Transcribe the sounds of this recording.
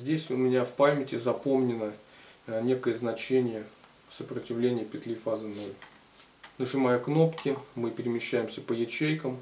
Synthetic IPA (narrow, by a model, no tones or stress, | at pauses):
zʲdʲesʲʊmʲɪnʲafpamʲɪtʲɪzɐpo̞mnʲɪnə | nʲe̞kəjəznɐt͡ɕenʲɪjə | səpɾətʲɪvlʲenʲɪjəpʲɪt̪lʲɪfazɨno̞lʲ | nəʐɨmajəkno̞pkʲɪmɨpʲɪɾʲɪmʲɪɕːæjɪmsʲəpəjɪt͡ɕejkəm